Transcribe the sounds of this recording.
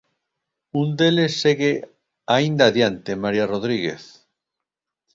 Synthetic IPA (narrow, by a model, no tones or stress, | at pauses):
und̪elesːeɣe | aind̪aðjant̪emaɾiaroðɾiɣḛθ